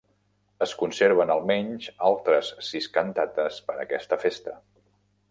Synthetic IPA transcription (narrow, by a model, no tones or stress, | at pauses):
əskunseɾβ̞ənəlˠmɛɲʲʒalˠt̪ɾəsːiskənt̪at̪əspəɾə̰kɛst̪əfest̪ə